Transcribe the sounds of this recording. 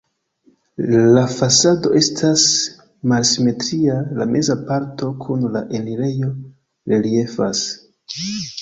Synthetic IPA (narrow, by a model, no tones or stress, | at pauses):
lafasado̞̰ʔe̞stʰas | malsime̞tɾialamʔe̞zapaɾto̞kʰunlaʔe̞liɾe̞jo̞ | ɾeɾie̞fas